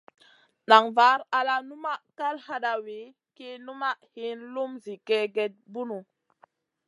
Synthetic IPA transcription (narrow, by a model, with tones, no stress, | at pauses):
ɗa˨ŋva˨˦ɾa˨la˦nu˦ma˦ka˦lha˦ɗa˨we˨˦ | ke˦nu˦ma˦ʔhi˦nlu˦mzi˨kɛ˦ɡe˦˨t̚bu˦nu˨